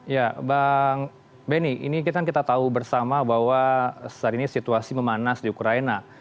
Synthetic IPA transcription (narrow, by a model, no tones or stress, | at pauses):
jabaŋ | bɛniʔḭnik̬it̪akankit̪at̪aubərsamabaɦwasaɾinisit̪uasiməmanasdiukɾaina